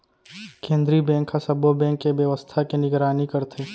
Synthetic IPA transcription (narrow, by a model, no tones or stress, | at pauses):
kẽːnd̪ɾibɛ̃ːŋkːasɐbobɛ̃ːŋkːeʋjəʋəst̪ʰakenɪɡɾaːnikəɾt̪ʰeː